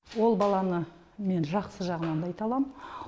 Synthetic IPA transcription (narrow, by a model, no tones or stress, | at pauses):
wo̞lˠbɑlˠɑnə | me̞nʒɑqsəʒɑʁənɑnd̪ɑjt̪ɑlˠɑm